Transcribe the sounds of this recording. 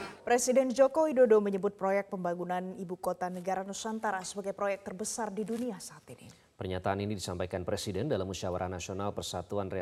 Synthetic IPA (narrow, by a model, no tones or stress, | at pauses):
pɾesidɛnd͡ʒokowidodoməɲəbʊt̪̚pɾojɛk̚pəmbaŋunanibukot̪anəɡaɾanusant̪aɾasəbaɡajpɾojɛk̚t̪ərbəsardiduniasat̪ini | pərɲat̪aːninidisampajkanpɾesidɛndalamusawa̰ɾʔanasionalpərsat̪uanre